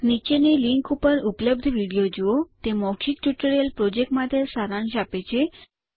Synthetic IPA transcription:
nit͡ɕeneliŋkupəɾupləb̚d̪ʱʋiɽijod͡ʑiot̪emɔɕik̚ʈuʈəɾelpɾod͡ʑek̚ʈmad̪ʱjesaɾãnɕ̬apet͡ɕe

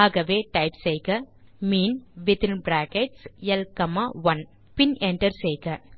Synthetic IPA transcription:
aːɣɐʋeːʈɐɪpsejkɐmiːnʋɪt̪ɪnbɾaːkeʈsɛlkɐmaʋɐn | pɪnɛɳʈɐɾsejkɐ

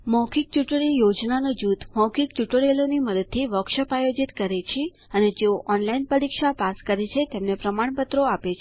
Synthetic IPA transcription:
mɔkʰik̚t͡ʃuʈɭijod͡ʒnanod͡ʒut̪mɔwkʰik̚t͡ʃuʈɭeloniməd̪əd̪̚t̪ʰːiʋəkʃəpajod͡ʒit̪kəɾet͡ʃʰe | əned͡ʒeoʔɔnlainpəɾikʃapaskəɾet͡ʃʰet̪emnepɾəmaɳpət̪ɾoapet͡ʃʰe

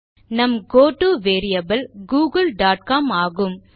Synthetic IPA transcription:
nɐmɡoːʈuʋeːɾɪjɐbɐlɡuːɡɐlɖaːʈkaːmaːɣɯm

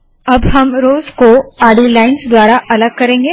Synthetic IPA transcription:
ɐbɦɐmɾoːzkoaːɽilaːɪnsd̪waːɾaʔɐləɡ̚kɐɾẽːŋɡeː

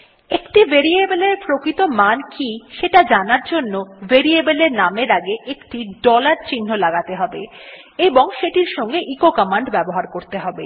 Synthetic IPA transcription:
ekʈiveɾiebeleɾpɾokɾit̪omankiʃeʈad͡ʑanaɾd͡ʑonːoveɾiebeleɾnameɾaɡeʔekʈiɖɔlaɾt͡ɕinːolaɡat̪eɦɔbe | eboŋʃeʈiɾʃɔŋɡeʔikokamaɳɖbɛboɦaɾkoɾt̪eɦɔbḛ

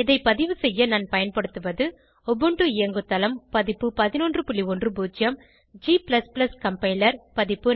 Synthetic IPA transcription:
ɪðɐɪpɐðɪʋɯsɛjːɐnɐnpɐjɐnpɐɽɯt̪ːɯʋɐðɯ | ɔbɯɳɖɯɪjɐŋɡɯt̪ːɐlɐmpɐðɪpːɯpɐðɪnondrɯpʊɭːiɔndrɯbuːd͡ʒjɐm | d͡ʒiːplɐsplɐskɐmpɐɪlɐɾpɐðɪpːɯ

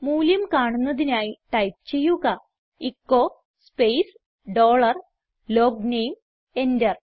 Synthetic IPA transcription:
muːljɐmkaːɳunːɐðinaːjiʈɐjp̚t͡ɕe̞jːuɣɐ | ikːoː | spejs | ɖo̞ːɭɐr | lo̞ːɡnejm | e̞ndɐr

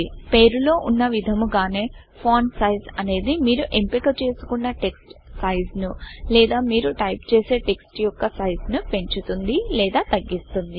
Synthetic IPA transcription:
pe̞ːɾulo̞ːʔunːɐʋid̪ʱɐmuɡaːne̞ː | pʰoːnsɐjzɐne̞ːd̪imiːɾuʔempikɐt͡ʃe̞ːsu̥kuɳɖaʈe̞ksʈsɐjznulɛːd̪aːmiːɾuʈɐjpt͡ʃe̞ːse̞ːʈe̞ksʈjɔkːɐsɐjznupe̞ɲt͡ʃut̪und̪ilɛːd̪aːt̪ɐɡːist̪und̪i

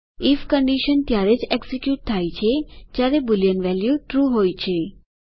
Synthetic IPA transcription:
ifkə̃ɳɖiʃənt̪jaɾed͡ʒɛksikjuːʈ̚t̪ʰaːjt͡ʃʰed͡ʒjaɾebʊljənʋɛljuʈɾuːɦoːjt͡ʃʰe

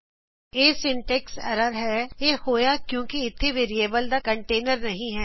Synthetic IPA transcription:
eːsɪ̃ɳʈɛksɛ̰ːɾəɾɦɛːjeːhoːjakjõːkiɪt̪ʰːiʋeːɾieːbəld̪akɐ̃ɳʈeːnəɾnɐɦĩɦɛː

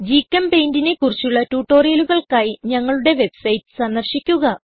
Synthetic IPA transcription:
d͡ʑikʲːɐmpe̞jndine̞kurit͡ɕːuɭːɐtuːʈːo̞ːrijɐluɣɐɭkaːjiɲɐŋːɐɭuɽe̞ʋe̞bsɐjtɨ̥sɐnːɐrɕikʲːuɣɐ

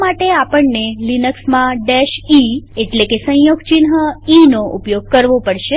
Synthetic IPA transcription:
maʈeapəɳːelinəksmãɖeʃieʈlekesə̃joɡt͡ʃinɦəinoʔupjoɡ̚kəɾʋopəɽʃe

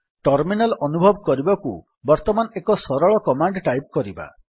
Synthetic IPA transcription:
ʈɔɾminalɔnubʱɔbɔkɔɾibɔku | bɔɾt̪ɔmanekɔsɔɾɔɭɔkɔmaɳɖʈajp̚kɔɾiba̰

